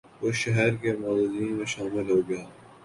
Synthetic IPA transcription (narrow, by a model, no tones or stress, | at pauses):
ʊʃɐɦɛɾkemɐːzziːnmẽʃaːmɪlɦoːɡɐjaː